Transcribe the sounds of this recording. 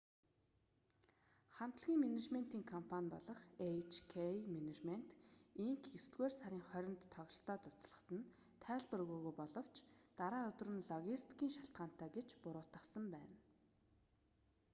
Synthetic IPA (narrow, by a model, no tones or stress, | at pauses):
χam̥t̪ə̆ɮɣʲiːŋmenet͡ɕmen̥t̪iːŋkʰɔmpʰanʲpɔ̰ɮɞ̆χet͡ɕʰkʰemenet͡ɕmen̥t̪iŋkest̪ɡeːrsaɾʲiːŋχœɾʲɪ̆nt̪ʰːɔɣʲɪ̆ɬt̪ɔːt͡sʊwt͡sɮə̥̆χt̪ə̆n | t̪ʰæːɮpə̆rɣuːɣujpɔɮɞ̆w̥t͡ɕʰt̪aɾaːʊɵt̪̆rɘ̆nɮɔɣʲist̪kiːŋʃaɬt̪̚ɢaːn̥t̪ʰæːɡet͡ɕpʊɾʊːt̪ə̆χsə̆mpæːn